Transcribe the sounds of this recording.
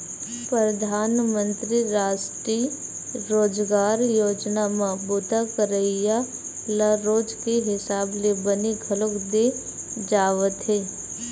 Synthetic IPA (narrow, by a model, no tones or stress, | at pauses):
pɾəd̪ʱaːnmə̃nt̪ɾiɾaːsʈɾiː | ɾoːd͡ʒɡaːɾjoːd͡ʒnamɐbuːt̪akəɾəija | ləɾoːd͡ʒkeɦɪsaːblebəniɡʱɐlʊkd̪e | d͡ʒaːʋət̪ɦeː